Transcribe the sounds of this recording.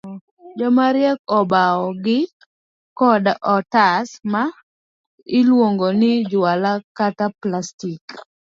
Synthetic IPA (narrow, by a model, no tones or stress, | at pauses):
d͡ʒɔmaɾjɛkɔbaɔɡɪ | kɔdɔtasma | ɪlwoŋɡonɪd͡ʒʊalakataplastik